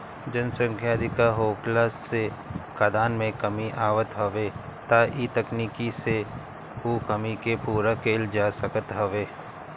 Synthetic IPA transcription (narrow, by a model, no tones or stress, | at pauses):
d͡ʒənsə̃ŋkʰjaːd̪ʱɪkaɦoːklaːsːekad̪aːnmẽkɐmiʔaːʋət̪ɦoʋeːt̪aʔiːt̪əkniːkise | ukəmikepuːɾakeːld͡ʒaːsəkət̪ɦoʋeː